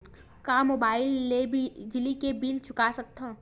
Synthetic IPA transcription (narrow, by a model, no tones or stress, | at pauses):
kamoːbaːɪlːebʱid͡ʒɪlikebiːlt͡ʃʰʊkasɐk̚t̪ãː